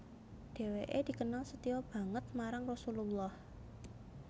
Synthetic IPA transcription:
ɖ̥e̤weʔed̪̥i̤kənalsət̪iɔb̥ä̤ŋət̪̚maɾaŋrɔsululːɔh

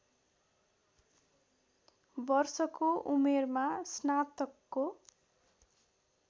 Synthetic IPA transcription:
bʌrsʌkoʔumermasnat̪ʌkːo

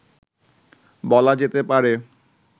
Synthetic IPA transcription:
bɔlad͡ʑet̪epaɾe

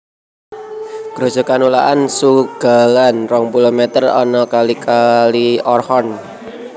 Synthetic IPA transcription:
ɡ̥ɾo̤̥d͡ʒ̥ɔ̤kanulaʔansuɡ̥a̤lanrɔŋbulomet̪ərɔ̰nɔkalikaliɔrhɔn

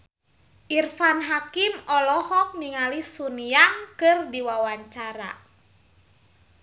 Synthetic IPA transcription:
ʔirfanɦakimɔlɔhɔk̚niŋalisuniaŋkɨrdiwawaɲt͡ʃaɾa̰

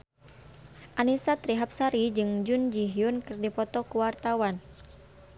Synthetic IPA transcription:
ʔanisat̪ɾiɦap̚saɾid͡ʒɨŋd͡ʒund͡ʒiɦiunkɨrdipɔt̪ɔkuwart̪awan

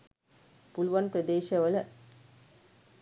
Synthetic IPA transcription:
pʊlʋɐnpɾɐd̪eːʃɐʋɐlɐ

